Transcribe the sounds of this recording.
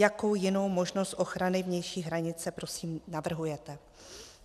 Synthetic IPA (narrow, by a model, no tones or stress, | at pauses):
jako̞wjɪno̞wmo̞ʒno̞st̪ʔo̞xɾanɪvɲɛjʃiːɦɾaɲɪt͡sɛpɾo̞siːmnavr̩ɦujɛt̪ɛ